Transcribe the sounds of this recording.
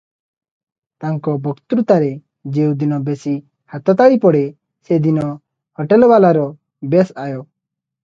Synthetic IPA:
t̪aŋkɔbɔkt̪uɾut̪aɾe | d͡ʒeũd̪inɔbesi | hat̪ɔt̪aɭipɔɽe | sed̪inɔ | hɔʈɛlbalaɾɔ | besajɔ

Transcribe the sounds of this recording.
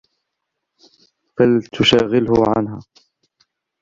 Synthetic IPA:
falt̪ʰʊʃaːɣɪlhʊʕanɦaː

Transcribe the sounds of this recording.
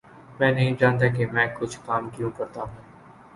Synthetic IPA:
mɛ̃ːnɐɦĩd͡ʒaːnt̪̬ak̬emɛ̃ːkʊt͡ʃʰkaːmkijũkɐɾt̪aɦũː

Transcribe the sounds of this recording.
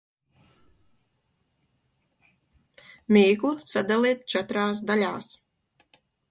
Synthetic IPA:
mʲiːklˠusad̪alˠiːt̪̚t͡ʃɛt̪ɾaːs̬d̪alʲaːs

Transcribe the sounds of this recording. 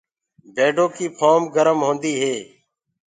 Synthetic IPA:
bʱeːɖoːkiːpʰoːmɡəɾəmɦõːnd̪iːɦeː

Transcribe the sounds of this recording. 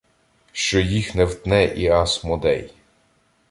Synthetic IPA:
ʃt͡ʃɔjixnɛwd̪nɛʔiɑsmɔd̪ɛ̰j

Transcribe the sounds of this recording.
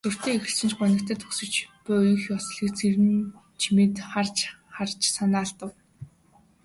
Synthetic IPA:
t̪ʰɵr̥t̪eːexɘ̆ɬsɘ̆nt͡ɕpɔnʲɪ̆kt̪ʰæːt̪ʰɵksɵ̆t͡ɕpʊjxjɔsɮiːk̚t͡sʰeɾɘ̆n | t͡ɕʰimeːt̪χart͡ɕ | χart͡ɕsanaːɮt̪ə̆w

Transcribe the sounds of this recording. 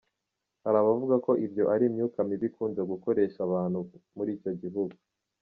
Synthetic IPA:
haɾaβavuɡako̞ʔibjo̞ʔaɾimɲuːkamiβikuːnzeɡuko̞ɾe̞ːʃaβaːnhumuɾiːco̞ɟiɦuɡu

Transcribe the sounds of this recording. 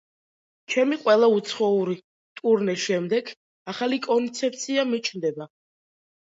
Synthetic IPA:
t͡ʃʰɛmiqʼwɛlˠaut̪sʰχɔuɾi | t̪ʼuɾnɛʃɛmd̪ɛɡ | aχalikʼɔnt̪sʰɛp̚t̪sʰiamit͡ʃʰnd̪ɛba

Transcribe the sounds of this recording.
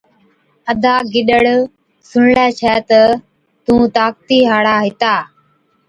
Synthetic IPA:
əd̪ʱaːɡɪɗəɽ | sʊɳlɛːt͡ʃʰɛːt̪ə | t̪ũːt̪aːk̚t̪iːɦaːɽaːɦɪt̪aː

